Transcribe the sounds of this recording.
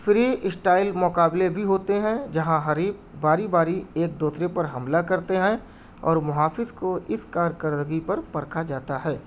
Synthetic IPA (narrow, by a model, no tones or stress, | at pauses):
fɾiɪsʈaːɪlmʊkaːblebʱiɦoːt̪eɦɛ̃d͡ʒɐɦãɦɐɾiːbbaːɾibaːɾieːk̚d̪uːsɾepɐɾɦɐmlakɐɾt̪eɦɛ̃ | ɔ̰ːɾmʊɦaːfɪzkoʔɪskaːɾkəɾd̪əɡipɐɾpɐɾkʰad͡ʒaːt̪aɦɛː